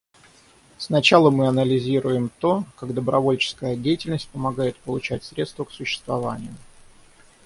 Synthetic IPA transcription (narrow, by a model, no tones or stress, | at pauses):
snɐt͡ɕalˠəmɨɐnəlʲɪzʲiɾʊjɪmt̪o̞kaɡd̪əbɾʔɐvo̞lʲt͡ɕɪ̥skəjədʲejɪtʲɪlʲnəsʲt̚ʲpəmɐɡajɪt̪̚pəlˠʊt͡ɕætʲsɾʲe̞t̪st̪vəksʊɕːɪ̥st̪vɐva̰nʲɪjʊ